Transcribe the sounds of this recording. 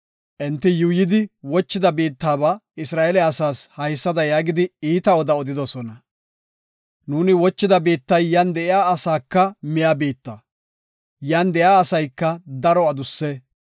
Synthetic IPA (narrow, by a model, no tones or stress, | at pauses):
ʔɪnt̪ːɪjuːjɪd̪ɪwɔt͡ʃːɪd̪ɐbiːt̪ːaːβɐɪsɾaːʔɛlɛɐsaːshɐjsːɐd̪ɐjaːɡɪd̪ɪiːt̪ɐwɔd̪ɐɔd̪ɪd̪ɔsɔnɐ | nuːnɪwɔt͡ʃːɪd̪ɐbiːt̪ːɐjːand̪ɛʔɪjaːɐsaːkːɐmɪjaːbiːt̪ːɐ | jand̪ɛjaːsɐjkːɐd̪ɐɾɔɐd̪ʊsːɛ